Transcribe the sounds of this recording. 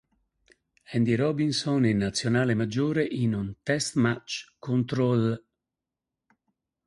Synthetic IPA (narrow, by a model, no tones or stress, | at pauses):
ɛnd̪iɾɔbinsoninːat̪sːjonaːlemad͡ʒːoːɾeʔinunt̪ɛst̪mat͡ʃkont̪ɾɔl